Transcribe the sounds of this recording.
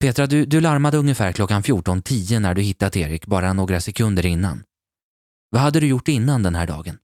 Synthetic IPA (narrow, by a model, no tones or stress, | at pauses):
pʰeːt̪ɾad̪ɵd̪ɵlaɾmad̪əɵŋjəfæːɾkʰlɔkːanfjuːʈɔnt̪ʰiːənæɖɵhɪt̪ːat̪eːɾɪkːbɑːɾanoːɡɾasɛkʰɵnd̪əɾɪnːa̰n | vaɦad̪ːəd̪ɵjʊʈːɪnːand̪ɛnɦæːɖɑ̰ːɡən